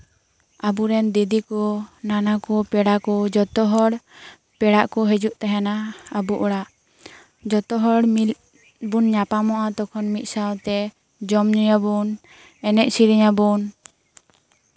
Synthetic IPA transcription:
abuɾɛnd̪id̪ikɔnanakɔpɛɽakɔd͡ʒɔt̪ɔɦɔɽ | pɛɽaʔkɔɦɛd͡ʒuʔt̪ɛɦɛnaːbuʔɔɽaʔ | d͡ʒɔt̪ɔɦɔɽm | bunɲapamɔʔat̪ɔkʰɔnmit̪̚ˀsawt̪ɛ | d͡ʒɔmɲujabun | ɛnɛʔ̚siɾiɲabun

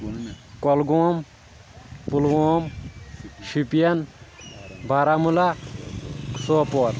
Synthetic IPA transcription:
kɔlɡoːm | pulɡoːm | ʃipijɐn | bʱaɾamula | ksoːpoːɾ

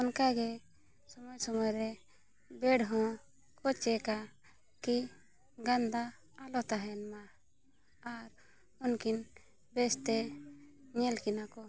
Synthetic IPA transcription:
ɔnkaɡɛ | sɔmɔjsɔmɔjɾɛ | bɛɽɦɔ̃ | kʰɔt͡ʃɛka | ki | ɡand̪aː | lɔt̪aɦɛnma | aɾ | ɔnkin | bɛst̪ɛ | ɲɛlkinakɔ

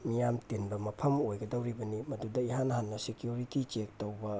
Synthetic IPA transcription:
mijamtenbɐmɐpʰɐmojɡɐdɐwɾibɐnimɐdudɐiɦanɐɦanːɐsikijuɾitit͡ʃek̚towbɐ

